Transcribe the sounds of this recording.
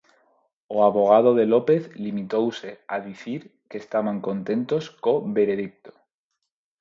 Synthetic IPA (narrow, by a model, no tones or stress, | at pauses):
oaβoɣ̞að̞o̞ðe̞lo̞pe̞θlimit̪owse̞aðiθiɾke̞ːst̪aβaŋko̞nt̪e̞nt̪o̞sko̞βe̞ɾe̞ðik̚t̪o̥